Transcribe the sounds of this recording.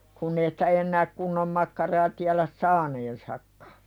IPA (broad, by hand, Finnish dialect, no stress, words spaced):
kunː ei sĭ̥tæ enːæːk kunːom mɑkːɑrɑː tiælæs sɑːneːnsɑkːɑ̥